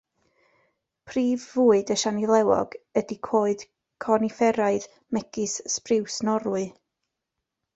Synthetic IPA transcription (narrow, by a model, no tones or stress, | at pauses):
pʰriːvːuːɨdəʃanilˠɛwɔ̰ɡədikʰoːɨd̥ | kʰɔnifɛɾaɨð | mɛɡɨsːprɪwsnɔɾwɨ